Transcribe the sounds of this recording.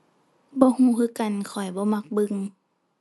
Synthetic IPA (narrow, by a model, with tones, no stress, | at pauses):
bɔː˧˦huː˧˦kʰɯː˧˦˨ka˨nkʰɔ˨˩jbɔː˧˦ma˧k̚bɯ˧˨ŋ